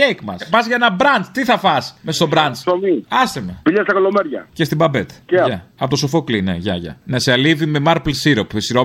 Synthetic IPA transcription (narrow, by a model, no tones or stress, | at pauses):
ekmɐ̰spɐzʝɐenɐbɾɐnt͡st̪iθɐfɐsmesst̪obɾɐnt͡somiɐst̪imepiʎɐst̪ɐkolomeɾʝɐ̰cest̪ibɐbet̪eɐɐɐot̪osofoklinḛʝɐ̰ʝɐ̰neseɐlivimemɐɾplsiɾopsiɾo